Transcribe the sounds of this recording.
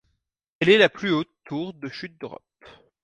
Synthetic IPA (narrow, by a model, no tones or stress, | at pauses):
ɛlɛlaplyot̪ːuʁd̪əʃyt̪̚d̪øʁɔ̰p̚